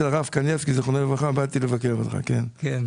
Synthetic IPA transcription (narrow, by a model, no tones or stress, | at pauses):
elaʁafkanjefkizeχonelevʁaχabat̪ilevakeʁot̪χa̰kenken